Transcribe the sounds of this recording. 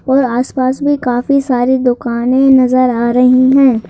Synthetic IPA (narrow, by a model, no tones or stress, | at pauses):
ɔːɾaːspaːsbʱikaːfisaːɾid̪ʊkaːnẽnɐzəɾaːɾɐɦiɦɛ̃ː